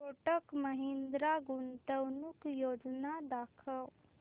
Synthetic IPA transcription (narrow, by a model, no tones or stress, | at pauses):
oʈəkməɦɪ̃nd̪ɾaɡunt̪əwnukjoːd͡ʒnad̪aːkʰəl